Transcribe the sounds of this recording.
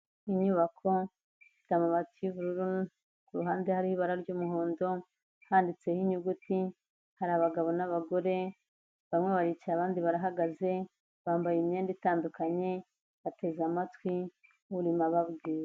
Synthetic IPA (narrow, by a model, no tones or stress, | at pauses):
iɲuːβakʰo̞ | fi̥tamaβatuuβuɾuɾu | kuɾuɦaːndehaɾihiβaɾaɾɟuːmuɦoːndo̞ | haːndit͡se̞hiɲuɡuti | haɾaβaɡaβo̞naβaɡo̞ɾe̞ | βamŋeβaɾicaβaːndiβaɾaɦaɡaze̞ | βaːmbajemɲeːnditaːndukaɲe̞ | βate̞zamatwi | uβuɾimaβaβɡiːɾa